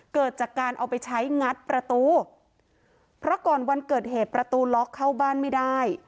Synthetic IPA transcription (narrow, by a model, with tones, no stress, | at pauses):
kɤː˨˩t̪̚t͡ɕaː˨˩kːaː˧nʔa˨˩wpa˧jt͡ɕʰa˦˥jŋa˦˥t̪̚pɾa˧t̪uː˧ | pʰɾɔ˦˥kɔː˨˩nwa˧nkɤː˨˩t̪̚ɦeː˨˩t̪̚pɾa˧t̪uː˧lɔ˦˥kʰːa˥˩wbaː˥˩nma˥˩daː˥˩j